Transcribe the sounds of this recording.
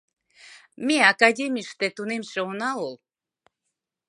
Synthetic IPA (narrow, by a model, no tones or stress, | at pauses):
mʲeakad̪ʲemʲiʃt̪et̪unemʲʃeunaul